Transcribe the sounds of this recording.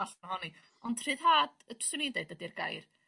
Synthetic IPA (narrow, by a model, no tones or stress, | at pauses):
aɬahɔni | ɔnd̥r̥ɨːðhaːd̥əd̥swɨnindeɨdədirɡa̰jr